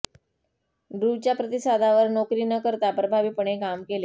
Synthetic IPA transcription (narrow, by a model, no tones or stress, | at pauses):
ɖɾut͡ɕjapɾət̪isad̪ʱaʋəɾnokɾiːnəkəɾt̪apɾəbʱaʋiːpəɳekamkele